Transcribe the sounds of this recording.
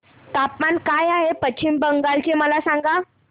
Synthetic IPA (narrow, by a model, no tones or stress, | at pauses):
t̪apmankajaɦepət͡ɕʰimbəŋɡalt͡ɕeməlasaŋɡa